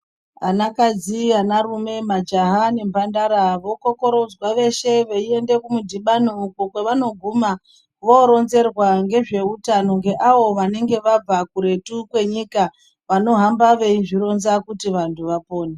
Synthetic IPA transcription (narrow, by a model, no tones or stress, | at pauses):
anakad͡zianaɾume̞mad͡ʒaɦane̞mbʱandaɾaʋo̞ko̞ko̞ɾo̞d͡zwaʋe̞ʃe̞ʋeie̞nde̞kumudʱiɓanuːkokwe̞ʋano̞ɡʱuma | ʋoɾo̞nze̞rwaŋɡe̞ʐe̞utano̞ŋɡe̞ʔaʋo̞ʋane̞ŋɡe̞ʋab͡vakuɾe̞tukwe̞ɲika | ʋano̞ɦambaʋe̞iʐiɾo̞nzakutiʋantʰuʋapo̞ːne